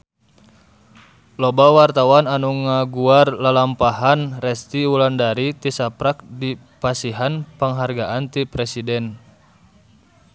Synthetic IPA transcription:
lɔbawart̪awananuŋaɡuarlalampaɦanrɛst̪iulandaɾit̪isapɾak̚di | pasiɦanpəŋɦarɡaʔant̪ipɾɛsidɛn

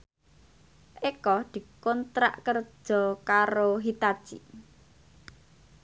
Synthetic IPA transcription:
ʔekɔd̪̥i̤kɔnt̪ɾa̰ʔkər̥ʒ̥ɔ̤kaɾoɦit̪ad̥ʒ̥i

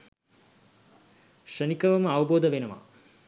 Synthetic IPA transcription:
ʂɐnikɐʋɐmɐɐʋɐboːd̪ɐʋenɐma̰

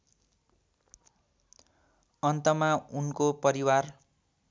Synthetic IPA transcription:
ʌnt̪ʌmaunkopʌɾiwar

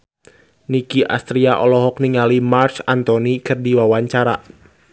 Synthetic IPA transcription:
nikiʔa̰st̪ɾiaʔɔlɔɦɔk̚niŋalimarsant̪ɔnikɨrdiwawaɲt͡ʃaɾa

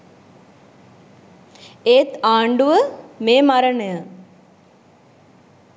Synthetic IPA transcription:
eːt̪aːɳɖuʋəmeːmaɾənəjə

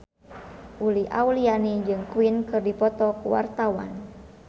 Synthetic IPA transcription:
ʔuliʔa̰ulianid͡ʒɨŋkuinkɨrdipɔt̪ɔkuwa̰rt̪awa̰n

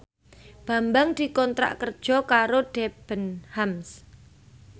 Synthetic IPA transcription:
b̥a̤mbaŋd̪̥i̤kɔnt̪ɾa̰ʔkərd̥ʒ̥ɔ̤kaɾoɖ̥eb̥ənhams

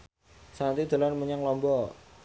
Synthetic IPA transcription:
sant̪id̪̥ə̤lanməɲaŋlɔmbɔ

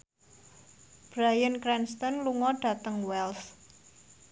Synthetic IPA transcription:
b̥ɾajənkɾɛnst̪ɔnluŋɔɖ̥a̤t̪əŋwɛls

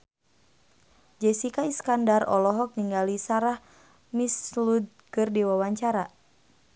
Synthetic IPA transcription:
d͡ʒɛsikaiskandarɔlɔɦɔk̚niŋɡalisaɾah | mislud̪̚kɨrdiwawaɲt͡ʃaɾa

